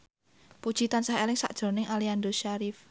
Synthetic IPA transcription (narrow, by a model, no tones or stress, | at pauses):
pud̥ʒ̥it̪ansaɦelɪŋsa̰ʔd̥ʒ̥o̤nɪŋʔaliand̪oʃaɾif